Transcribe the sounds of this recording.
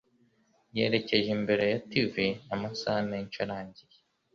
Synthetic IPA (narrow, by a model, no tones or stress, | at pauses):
je̞ɾe̞ce̞ʒembe̞ɾe̞jativinamasahameɲt͡ʃaɾaːɲɟije